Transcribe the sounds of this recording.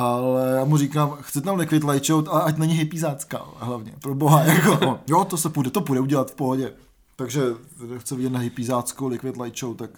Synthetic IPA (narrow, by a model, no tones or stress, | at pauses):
ʔalɛjaːmuɾikaːmxt͡sɛt̪amlɪkʋɪt̪lajt͡ʃowt̪alɛacnɛɲɪɦɪpiːzaːt͡ska̰ɦlavɲɛpɾoboɦajakojot̪osɛpudɛt̪opudɛuɟɛlat̪fpoɦoɟɛ | t̪aɡʒɛdɛxt͡sɛvɪɟɛt̪naɦɪpiːzaːt͡skowlɪkʋɪt̪lajt͡ʃowt̪ːak